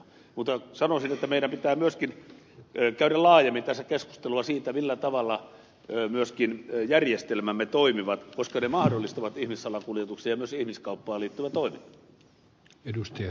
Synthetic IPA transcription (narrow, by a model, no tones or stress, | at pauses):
mut̪ːˑɑsɑnosinet̪ːæmeiɾæmpit̪æːmyøskin | kæyɾællɑːjemːint̪æsækesku̥st̪eluɑsiːt̪æmilːæt̪ɑʋɑlːɑ | myøskinjærjest̪elmæmːet̪oimiʋɑt̪koskɑnemɑhdolːist̪ɑʋɑt̪ihmisːɑlɑkuljet̪uksejjɑmyøsihmiskɑupːɑːliːt̪ːyʋæt̪oiminːɑ̥ | edust̪iɑ